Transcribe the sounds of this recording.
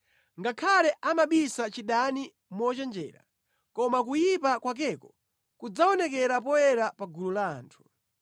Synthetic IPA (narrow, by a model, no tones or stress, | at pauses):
ŋɡakʰalɛʔamaɓisat͡ʃiɗani | mɔt͡ʃɛnd͡ʒɛ̰ːɾa̰ | kɔmakujipakwak̬ɛkɔ | kud͡zaɔnɛkɛɾapɔjɛɾapaɡulula̰ːntʰu̥